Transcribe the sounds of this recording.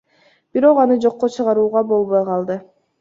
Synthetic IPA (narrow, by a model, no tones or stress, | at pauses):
b̥iɾo̞qɑnɯd͡ʒo̞qːot͡ʃʰɯʁɑɾuːʁɑbo̞lˠβojqʰɑlˠd̪ɯ